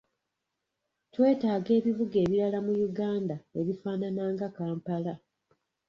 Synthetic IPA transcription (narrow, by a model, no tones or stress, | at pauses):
twe̞ːtaːɡe̞ːβivuɡe̞ːβiɾalamujuɡaːndae̞βifaːnanaːŋɡakaːmpala